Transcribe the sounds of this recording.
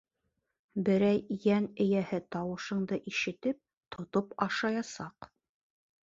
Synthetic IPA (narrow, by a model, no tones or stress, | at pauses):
bɘ̆ɾæjːænɘ̆jæhɘt̪ɑwɤ̆ʃɤ̆ɴd̪ɤʔiʃɘ̆t̪ɘp̚ | t̪ʰŏt̪opɑʃɑjɑsɑq